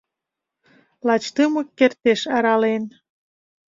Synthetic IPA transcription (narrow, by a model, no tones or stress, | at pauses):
lɑt͡ɕt̪əmɤkːert̪eʃɑɾɑlen